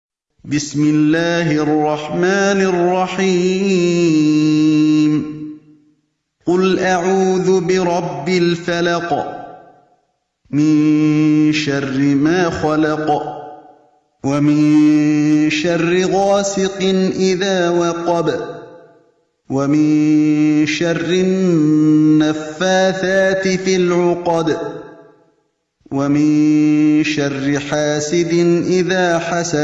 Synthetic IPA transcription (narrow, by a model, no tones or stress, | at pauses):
bɪsmɪlːaːhɪʔɑrˤːɑħmaːnɑrˤːɑħiː | m | qʊlʔaʕuːðʊbɪɾˤɑbːɪlfalɑq | mɪn | ʃarːɪmaːxalɑq | wamɪn | ʃarːɪɣaːsɪqɨnʔɪðaːwɑqɑb | wamɪn | ʃɑrːɪ | nːafːaːθaːt̪ɪfilʕʊqɑb | wamɪnʃarːɪħaːsɪd̪ɪnʔɪðaːħasa